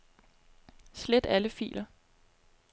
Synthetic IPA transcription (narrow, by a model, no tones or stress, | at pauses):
sled̥æləfḭːlʔɐ